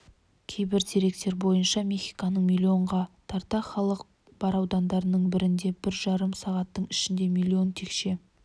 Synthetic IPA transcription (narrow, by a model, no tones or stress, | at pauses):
kʲʰejbɪɾt̪ʰe̞ɾe̞k̚t̪e̞ɾbo̞jənʃɑmʲe̞χʲijkɑnəɴmʲilʲːio̞ɴʁɑt̪ʰɑɾt̪ɑχɑlˠəq | b̥ɑɾɑwd̪ɑnd̪ɑɾənəɴbɪɾɪnd̪e̞bɪɾʒɑɾəmsɑʁɑt̪ːəɴɪʃɪnd̪e̞mʲilʲːio̞nt̪ʰe̞kʃe̞